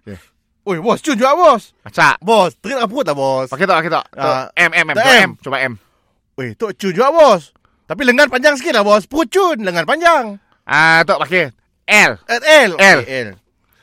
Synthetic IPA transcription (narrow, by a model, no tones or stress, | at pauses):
jɛ | ojbɔst͡ʃʊnd͡ʒuɡaʔbɔs | kat͡ʃa̰ʔbɔst̪əɾit̪̚lahpəʊt̪̚lahbɔspaket̪ɔʔpaket̪ɔ̰ʔaɛmɛmɛmt̪ɛɛmt͡ʃobaʔɛm | ojt̪oʔt͡ʃund͡ʒuɡaʔbɔs | t̪ap̬iləŋanpaɲd͡ʒaŋs̬əkɪt̪̚lahbɔspəʊt̪̚t͡ʃʊnləŋanpaɲd͡ʒaŋ | ʔat̪ɔʔpake | ʔɛlɛɛlɛlɛl